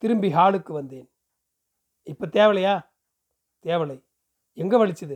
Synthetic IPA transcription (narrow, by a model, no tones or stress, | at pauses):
t̪ɪɾɯmbiɦaːɭɯkːɯʋɐnd̪eːn | ɪpːɐt̪eːʋɐlɐjaː | t̪eːʋɐlɐɪ | ɛŋɡɐʋɐɭɪt͡ʃːɐðɯ